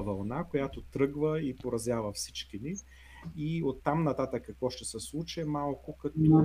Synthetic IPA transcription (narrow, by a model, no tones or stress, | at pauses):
vɐlˠnakojat̪ot̪ɾɤɡvəipoɾɐzjavəfsi̥t͡ʃk̟ini | iot̪ːamnɐt̪at̪əkːɐkvɔʃt̪ɛsɛslˠut͡ʃɛmalˠkʊkɐt̪